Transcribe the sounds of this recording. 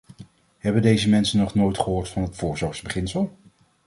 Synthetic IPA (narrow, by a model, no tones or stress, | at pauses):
ɦɛbəndejzəmɛnsənːɔχnoːjtχəɦoːɹtfɑnɦətfʊːɹzɔɹχzbəχɪnsəlˠ